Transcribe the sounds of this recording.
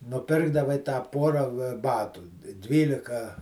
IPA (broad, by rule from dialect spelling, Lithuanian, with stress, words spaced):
nʊˈpʲɪrɡdɐʋɐɪ tɑː ˈpoːrɐ ˈbɑːtuː ˈdʲʋʲiːlʲɪkɐ